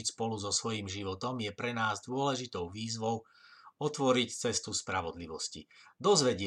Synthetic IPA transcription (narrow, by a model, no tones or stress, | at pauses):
icspɔluzɔsʋɔjimʒiʋɔt̪ɔmjɛpɾɛnaːzd̪ʊɔlɛʒit̪ɔʊʋiːzʋɔʊ | ɔt̪ʋɔɾict͡sɛst̪uspɾaʋɔd̪liʋɔscḭd̪ɔzʋɛɟɪ